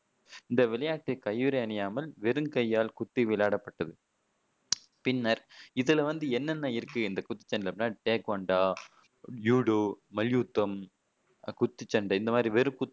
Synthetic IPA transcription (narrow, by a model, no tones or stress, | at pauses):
ɪnd̪ɐʋɪlɐjaːʈːɐkɐjʋɯɾɐɐɳɐjaːmɐlʋɛɾɯŋkɐjːaːlkʊt̪ːiʋɪlaːɽɐpːɐʈːɐðɯ | pɪnːɐɾɪðɪlɐʋɐnd̪ɯɛnːɐnːɐɪɾɯkːɯɪnd̪ɐkʊt̪ːi̥t͡ʃːɐɳɖɪlɐpɪnːaːɾʈeːkʋɐɳɖaː | juːɽoːmɐljuːt̪ːɐm | kʊt̪ːit͡ʃːɐɳɖɐɪnd̪ɐmaːd̪ɾiʋɛɾɯkʊt̪ː